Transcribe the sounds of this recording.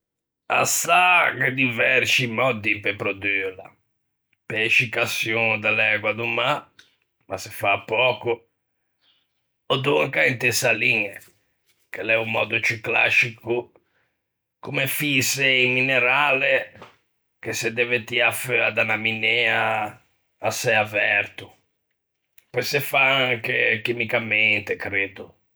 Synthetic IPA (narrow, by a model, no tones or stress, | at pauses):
a̰saked̪ivɛɾt͡ʃimɔd̪ipɛpɾod̪yːla̰ | pɛɛʃikasjund̪alɛɡwad̪uma | masɛfapːɔːku | ɔd̪uŋkaint̪esaliŋɛ | kelɛumːɔ̰ːd̪ut͡ʃikla̰ʃiku | kumefisɛimːinɛɾaːlɛ | kesɛd̪ɛvet̪iafɛad̪anaminɛːaː | sɛjavɛɾt̪u | pɔjsɛfaaŋkek̟imikamɛnt̪ekɾed̪u